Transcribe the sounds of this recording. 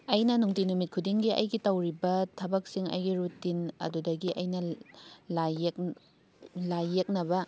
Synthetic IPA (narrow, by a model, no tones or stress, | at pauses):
ɐjnɐnuŋtinumit̚kʰudiŋɡiʔɐ̰jɡitɐwɾibɐtʰɐbɐk̚siŋɐ̰jɡiɾutːinɐ̰dudɐɡiʔɐjnɐlak | lajek̚nɐbɐ